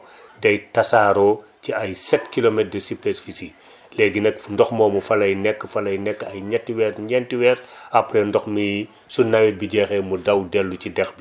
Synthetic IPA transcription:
dɐjtɐsaːɾɔːciɐjsɛtkilomɛt̚dəsipɛsfisi | lɛɡinɛkndɔxmɔːmufɐlɐjnɛkːfɐlɐjnɛkːɐjɲɐtːiwɛːɾɲɛntiwɛːɾɐpːɾɛndɔxmi | sunɐwɛbiɟɛxɛmudɐwdɛlːucidɛxbi

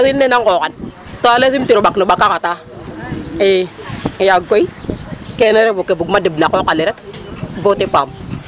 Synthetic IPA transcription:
kinːenaŋkokan | toales̬imtiɾoɓaknoɓakːakata | ejaɡoikeneɾebokːebuɡmadibnakokaliɾekbotepam

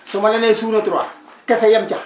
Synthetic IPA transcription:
sʊmalɛnesuːnotuɾa | kɛsɛjamt͡ʃa

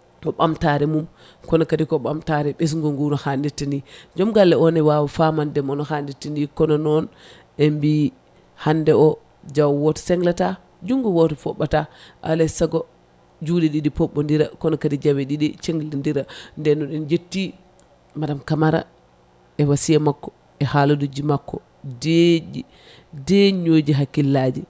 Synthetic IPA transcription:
ɔɓamtaɾɛmum | kɔnɔkatikɔɓamtaɾɛɓɛs̬ŋɡoŋɡunɔhanditːindid͡ʒɔmɡalːɛɔnɛwawafamandɛmɔnɔhanditːindikɔnɔnɔn | embi | handɛɔ | d͡ʒawwɔtɛ̥sɛŋɡlata | d͡ʒuŋɡuwɔtɛfɔɓːataʔa̰lɛsaɡɔ | d͡ʒudɛɗiɗipɔɓːɔndiɾa̰kɔnɔkadid͡ʒawɛɗiɗit͡ʃeŋɡlindiɾandɛnːɔɗind͡ʒetːi | maɗamkamaɾa̰ | ɛwasijamakːɔ̥ | ɛhaludud͡ʒimakːɔ | ded͡ʒi | dɛɲod͡ʒiɦakːilːad͡ʒi

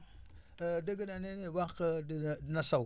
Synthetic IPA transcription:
daɡananenewakədnasa

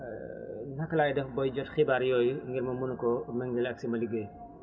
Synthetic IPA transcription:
nɐkɐlaːjdɐfbɔjd͡ʒɔtxibaɾjɔːjŋɡiɾmɐmunukɔmɐŋɡilɐksimɐliɡej

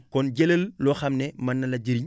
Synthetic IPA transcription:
kɔnɟeləllɔxɐmnemɐnːɐlɐɟiɾiɲ

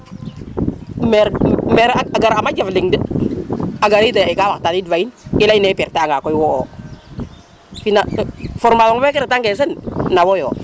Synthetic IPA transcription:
meɾmeɾaaɡaɾamad͡ʒafliŋdə | aɡaɾid̬aikawatadidvainkilainɛpiɾtaaŋɡakɔjwɔɔ | finafɔɾmalɔŋwɛkɪɾtaŋɡɛs̬ɛnnawojɔ

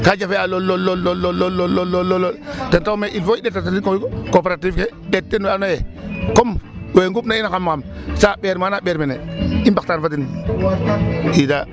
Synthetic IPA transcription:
kad͡ʒafealolːolːolololːolːolːolːololotentaumeʔilfoiɗetːatatikoikopeɾatifke | ɗetːenanojekomweŋɡubnainakamːkamsaɓeɾmanaɓeɾmeneimbak̚taːnfatin | ida

